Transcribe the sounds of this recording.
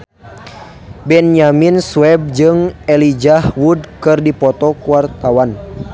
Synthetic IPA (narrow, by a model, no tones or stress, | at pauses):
bɛnjaminsuwɛb̚d͡ʒɨŋɛlid͡ʒahwudkɨrdipɔt̪ɔkuwart̪awan